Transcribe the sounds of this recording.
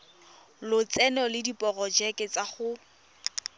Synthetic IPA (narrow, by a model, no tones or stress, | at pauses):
lʊt͡sɛnɔlɪdipʼɔɣɔd͡ʒɛkɪt͡saχʊ